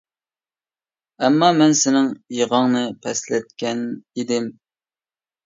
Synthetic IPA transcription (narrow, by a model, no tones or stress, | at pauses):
ɛmːɑmɛnsɪnɪŋjeʁɑŋnɨpʰɛslɛt̪̚kʲɛnid̪ɪm